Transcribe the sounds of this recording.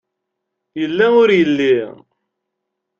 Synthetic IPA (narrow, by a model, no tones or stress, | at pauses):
jəlːæʊɾjəlːi